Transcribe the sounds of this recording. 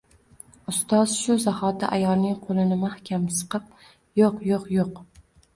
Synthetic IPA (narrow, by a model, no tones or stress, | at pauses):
ʊst̪ɑz̥ʃʊzahɒt̪ɪʔajɒlˠnɪŋqʰolˠɪnɪmahkʲamsɨ̥qɨp̚ | joqjoqjoq